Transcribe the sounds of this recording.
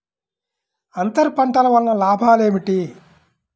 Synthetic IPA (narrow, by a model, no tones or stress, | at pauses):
ɐnt̪ɐɾpɐɳʈɐlɐʋɐlnɐlaːbʱaːle̞ːmiʈi